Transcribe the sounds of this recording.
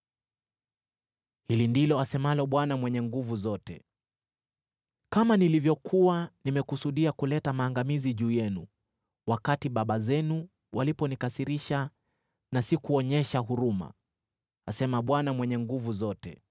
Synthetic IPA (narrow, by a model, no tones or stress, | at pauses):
hilindilɔasɛmalɔɓwanamwɛɲɛŋɡuvuzɔtɛ | kamanilivjɔkʰuanimɛkusuɗiakulɛtamaːŋɡamiziʄuːjɛnu | wakatiɓaɓazɛnu | walipɔnikasiɾiʃa | nasikuɔɲɛʃaɦuɾuma̰ | asɛmaɓwanamwɛɲɛŋɡuvuzɔtɛ̰